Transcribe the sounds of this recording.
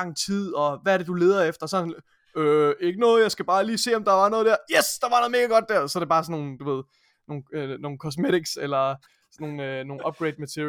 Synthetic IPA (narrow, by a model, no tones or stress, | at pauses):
ɑ̈ŋ̰t͡sʰið̰ˠɒ̽ʋææɐɾ̥e̝d̥ule̝ːðˠɐefd̥ɐsɒn | øe̝ɡ̥ənɔ̽ːð̞̩ˠjɑ̈ɪsɡ̥æb̥ɑ̈ːliːse̝̰ːɒ̽md̥ɑ̈ʋɑ̈nɔ̽ːð̞ˠd̥æɐjesd̥ɑ̈ʋɑ̈nɔ̽ð̩ˠme̝ɡ̥æɡ̥ɒ̽d̥̚ːæɐ̰sɒ̽æɾ̥eb̥ɑ̈ːsɒ̽no̝ːn̩d̥uʋe̝ð̞̰ˠ | no̝ːnno̝ːn̩kʰɒsmeɾiɡ̥selɐ | snːo̝ːn̩øno̝ːn̩ɒ̽b̥̚ɡ̥ʁeɪd̥̚mæt͡sʰiɐ̰